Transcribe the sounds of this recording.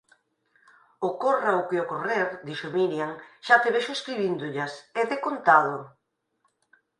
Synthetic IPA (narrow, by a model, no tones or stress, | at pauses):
okoraokeokoreɾd̪iʃomiljaŋʃat̪eβeʃoeskɾiβind̪ʊʎaseðekont̪aðo